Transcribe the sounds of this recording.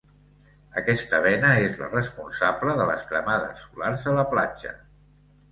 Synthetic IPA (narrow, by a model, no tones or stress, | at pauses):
əkɛst̪əβɛnəezlə̰rəspunsabləðələ̰skɾəmaðə̰sːularzələplad͡ʒə̰